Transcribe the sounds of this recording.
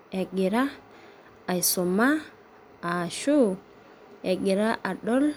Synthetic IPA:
e˨ɡi˨ɾaː˦˨ | jso˨ma˦ | a˨ʃu˦ | e˨ɡi˨ɾa˦ʔa˨ɗo˦l

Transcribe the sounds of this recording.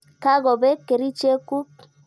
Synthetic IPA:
ka˦ɣo˨be˦kːe˨ɾi˦t͡ʃe˦ku˦

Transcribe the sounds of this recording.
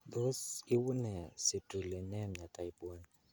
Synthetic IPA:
d̪o˦si˦wu˦nɛ˨si˨tɾi˨le˨nɛ˦˨mɲa˨ta˨i˨bɔ˦n

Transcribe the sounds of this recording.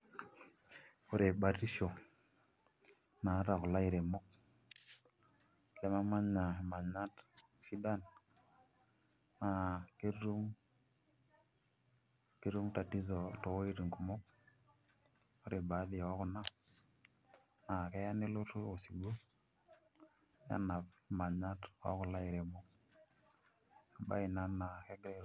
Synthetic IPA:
o˦ɾe˨ba˨ti˦ʃo˨ | na˨˦ɾa˨ku˨la˦i˨ɾe˨mo˦k̚ | le˦ma˦ma˦ɲa˨ma˨ɲa˦t | si˦da˦n | ma˨ke˦ɾu˦m | ke˦ɾu˦mta˨ti˦zo˨to˨wo˦i˦ɾi˨ŋku˨mo˦k̚ | o˦ɾe˨ba˨˦di˨wo˦ku˨na˦ | na˨ke˦ja˦ni˦lu˦to˨si˨bo˦ | ja̰˦na˨pma˨ɲa˦twa̰˦ku˨la˦i˨ɾe˨mo˦k̚ | a˨ba̰˦i˨na˦nːa˨ke˦ɡɾe˦ɾ

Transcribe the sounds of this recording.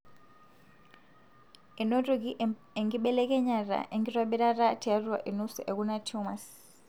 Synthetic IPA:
ɛ˨no˦tuɡi | ɛ˨ŋɡiɓɛlɛkɛ˦ɲa˨ɾa̰ʔɛŋɡiɾa˦ɓɛ˦ɾa˦ɾa˦tia˦ɾuwa̰˨ʔi˨nu˦su˨ʔɛ˨ɡunatʰumas

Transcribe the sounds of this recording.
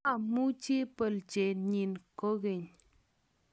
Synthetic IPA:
a˨mu˦t͡ʃi˦pə˨lt͡ʃe˨ɲi˨nko˦ɣe˨ɲ

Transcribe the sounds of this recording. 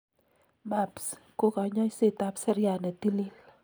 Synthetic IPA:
ma˦˨psko˦ka˨ɲɔ˦jse˨ta˦psɛ˦ɾja˨nɛ˨t̪i˦li˦l

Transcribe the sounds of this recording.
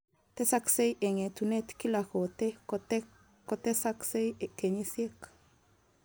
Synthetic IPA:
t̪e˦sa˦kse˦jʔe˨ŋe˨t̪u˨ne˦t̪ki˦lako˨t̪e˦ | ko˨t̪e˦sakse˦je˨ke˨ɲesje˦k

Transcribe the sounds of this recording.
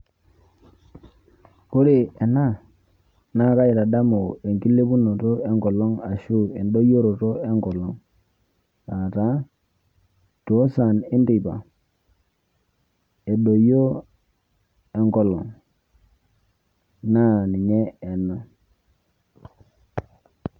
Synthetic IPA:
ku˦ɾe˨e˨na˦ | na˦ka˦ji˨ta˨da˦mo˨e˨ŋki˦lːe˦bu˦nːo˨to˦e˦ŋɡo˨lːo˦ŋa˨ʃu˦e˨ndo˦jo˦ɾo˨to˦e˦ŋɡo˨lːo˦ŋ | na˨ta˦ | to˨˦sa˨ni˦ndi˨ba˨ | e˨ɗo˨jo˦ | e˨ŋɡo˦lːo˨ŋ | na˦ni˨ɲe˦e˨nːo˨˦

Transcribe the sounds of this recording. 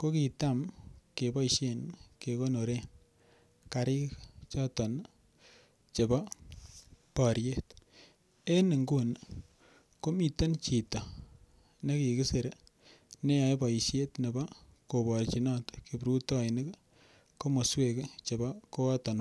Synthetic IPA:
ko˦ki˨ta˦mke˨bɔ˦iʃe˦nke˨ko˦no˨ɾe˦n | ka˨ɾi˦kt͡ʃɔ˦tɔ˨n | t͡ʃe˨bɔ˦ | pɔ˨ɾje˦t | e˦ni˨ŋɡu˦n | ko˦mi˨te˦nt͡ʃi˨tɔ˨ | ne˦ki˨kɪ˦se˨ɾe | ne˦ja˨ebɔ˨ʃe˦tne˨ba˦ | ko˨bɔ˨rt͡ʃi˨nɔ˦tke˨bɾu˦tɔ˦jnɪ˦k | ko˦mo˨swe˦kt͡ʃe˨bɔ˦ko˦ɔ˦tɔ˨n

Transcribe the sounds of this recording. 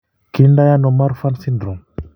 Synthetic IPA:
ki˦nda˦ja˦no˨ma˦ɾfa˦nsi˦ndɾɔ˨ŋ

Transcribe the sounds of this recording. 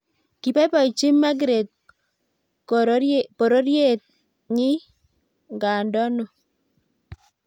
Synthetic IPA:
ki˨pa˦pa˨i˨t͡ʃi˦ma˦ɡ̬ɾe˨t̪̚ | po˨ɾo˦ɾje˦˨t̪̚ | ŋɪ˦ | ŋɡa˨ndɔ˦nɔ˨

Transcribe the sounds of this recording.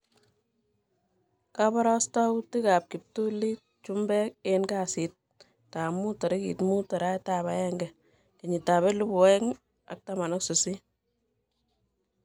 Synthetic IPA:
ka˦bɔ˦ɾɔ˦sta˦wti˦ka˨p̚ki˨p̚tu˦li˦t̚ | t͡ʃu˦mbɛ˦ke˦nka˦si˨t̚ | ta˨mu˦tɔ˨ɾɪ˦kḭ˨tmu˦tɔ˨ɾa˦jta˨βa˨jɛ˦ŋɡɛ˨ | ke˨ɲi˨ta˨βɛ˦lu˦bu˨wɛ˦ŋ | a̰˨k̚ta˦ma˨nɔ˦ksu˨si˦

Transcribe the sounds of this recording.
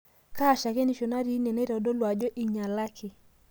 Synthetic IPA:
kaː˦˨ʃa˨ke˦ni˨ʃo˨na˦ɾi˨˦ne˨ne˦ɾɔ˨do˦lwa˨d͡ʒo˦ʔi˨ɲa˨la˦kʰɪ˨

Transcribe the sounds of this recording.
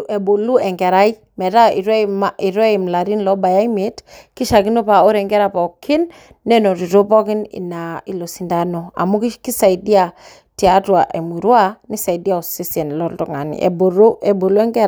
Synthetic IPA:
ɛ˨bo˨lu˦ɛ˨ŋɡɛ˨ɾa˦i˦ | mɛ˨ɾa˦i˨ɾɛ˦mi˨ɾwɛ˦i˨mla˨ɾi˦nlɔ˦ba˨ja˦i˦me˦tki˦ʃa˨ki˦no˦pa˨o˦ɾɛ˨ŋɡɛ˦ɾa˦pa˨o˨kʰi˦nː | ɛ˦no˨ɾi˨ɾo˦pɔ˦ki˦nḭ˨na˨i˨lo˨si˨nda˦nɔ˨a̰˨mu˦ki˦ki˦sa˨i˨di˦a˨ | ti˨a˦twa˨ʔe˨mu˨ɾwa˦ni˦sa˨i˨di˦a˦˨o˨si˦sɛ˨nlɔ˦ltɔ˦ŋa˨nḭ˨ʔɛ̰˨bo˨ɾo˦ɛ˨bo˨lu˦ɛ˦ŋɡɛ˦ɾ

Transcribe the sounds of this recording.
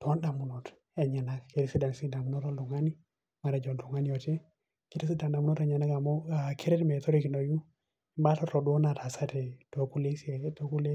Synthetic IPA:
to˦nɗa˨mu˨no˨t | e˨ɲe˨na˦kki˨ɾi˦si˦da˨nsi˦da˨mu˦no˦to˦ldu˨ŋa˦ni˦ | ma˨ɾe˨d͡ʒo˨ntu˨ŋa˦ni˦jo˨te˦ | ki˦ɾi˦s̬i˦da˨nɗa˨mu˦no˦te˨ɲe˨na˦ka˨mo˦a˨kʰi˦ɾe˦tme˨to˦ɾi˦ki˨no˨ju˦ | i˨mba˦ta˦to˨du˦na˨tʰa˨sa˦te˨to˨ku˦le˦se˨to˦ku˦le˦

